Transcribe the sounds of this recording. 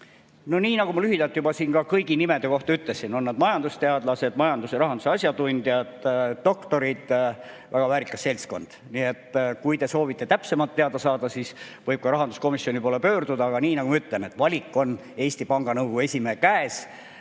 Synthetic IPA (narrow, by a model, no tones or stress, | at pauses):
no̞niːnɑɡumɑlyɦid̪̥ɑlt̪ːˑjubɑsiːnkɑkɤjɡinimed̪e̞ko̞ht̪ɑyt̪lesino̞nːɑd̪mɑjɑnd̪ust̪e̞ɑd̪̥lɑse̞d̪̥mɑjɑnd̪useɾɑɦɑnd̪u̥seɑsjɑt̪unʲd̪jɑd̪̥ːo̞kt̪o̞ɾid̪̥ | væɡ̥ɑvæːɾikːˑɑse̞lʲsko̞nd̪̥niet̪ːkujt̪e̞so̞ːvit̪ˑːe̞t̪æpse̞mɑlt̪ːe̞ɑd̪ɑsɑːd̪̥ɑsiːsvɤjb̥̚kɑɾɑɦɑnd̪usko̞misjo̞nipolepø̞ːrd̪̥ud̪ɑːɡ̥ɑniːnɑɡumɑyt̪ˑle̞net̪ːˑvɑlʲikːˑo̞n | e̞ːsʲt̪ipɑŋɡ̥ɑnɤwɡ̥ue̞sʲimekæes